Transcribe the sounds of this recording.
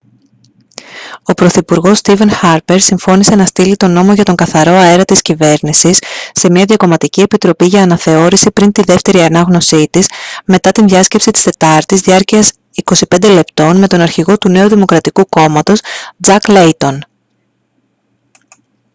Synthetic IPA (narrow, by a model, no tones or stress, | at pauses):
o̞pɾo̞θipuɾɣo̞st̪ive̞nxɐɾpe̞ɾsiɱfo̞nise̞nɐst̪ilit̪o̞no̞mo̞ʝɐt̪o̞ŋɡɐθɐɾo̞ɐe̞ɾɐt̪iscive̞ɾnisisːe̞miɐðʝɐko̞mɐt̪icie̞pit̪ɾo̞piʝɐːnɐθe̞o̞ɾisipɾint̪iðe̞ft̪e̞ɾiɐnɐɣno̞sit̪isme̞t̪ɐt̪inðʝɐsce̞psit̪i̥st̪e̞t̪ɐɾt̪izðiɐɾciɐs | iko̞sipe̞nd̪e̞le̞pt̪o̞nme̞t̪o̞nɐɾçiɣo̞t̪une̞uðimo̞kɾɐt̪ikuko̞mɐt̪o̞sd͡zɐkle̞jt̪o̞n